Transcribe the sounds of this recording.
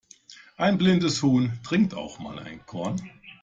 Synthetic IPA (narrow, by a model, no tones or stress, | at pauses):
ʔaɪnblɪndəshuːntʁ̥ɪŋk̚tʰa̰ʊxma̰ːlʔa̰ɪnkʰɔɐn